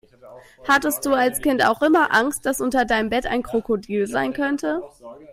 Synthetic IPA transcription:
hatəst̚d̥uːalskɪnta̰ʊxʔɪmɐʔaŋst̚d̥asʔʊntɐdaɪnəmbɛta̰ɪnkʁ̥okodiːlzaɪnkʰœntə

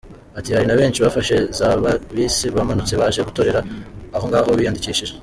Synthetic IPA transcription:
atihaɾinaβe̞ːnʃiβafaʃe̞zaːβaβiːsiβamanut͡se̞βaʒeβuto̞ɾe̞ɾaːho̞ŋɡaːhoβiːjandiciːʃiʒe

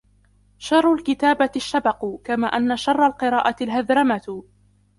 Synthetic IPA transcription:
ʃɑrˤːalkɪt̪aːbaʃːabɑqkamaːʔanːaʃɑrˤːɑlqɨɾˤɑːʔat̪ɪlɦaðɾɑma

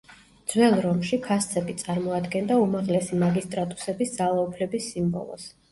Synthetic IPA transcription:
d̪zwɛlˠɾɔmʃikʰast̪sʰɛbit̪sʼaɾmɔad̪ɡɛnd̪aumaʁlɛsimaɡist̪ʼɾat̪ʼu̥sɛbisd̪z̥alˠaupʰlɛbisːimbɔ̰lˠɔ̰s

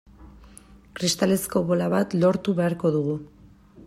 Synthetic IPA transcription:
kɾist̪ale̞sko̞βo̞laβat̪lo̞ɾt̪uβe̞aɾko̞ðuɣ̞u

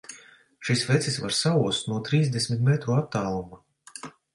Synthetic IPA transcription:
ʃisvɛt̪sʲisva̰ɾsauɔst̪nuɔt̪ɾiːzd̪esmʲit̪̚mɛt̪ɾuat̪ːaːlˠuma

